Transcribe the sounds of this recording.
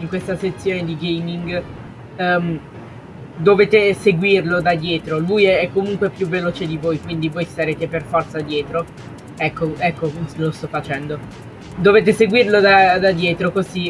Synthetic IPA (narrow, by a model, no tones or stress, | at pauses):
iŋkwest̪aset̪sːjoːned̪iɡejmiŋɡ | m | d̪oveːt̪eseɡwirlod̪ad̪jɛːt̪ɾolujɛɛkːomuŋkwepjuvːeloːt͡ʃed̪ivojkwind̪ivojst̪aɾeːt̪eperfɔrt̪sad̪jɛːt̪ɾo | ɛkʰːoɛkːolost̪ɔfːat͡ʃɛnd̪o | d̪oveːt̪̬eseɡwirlod̪ad̪ad̪jɛːt̪ɾokozi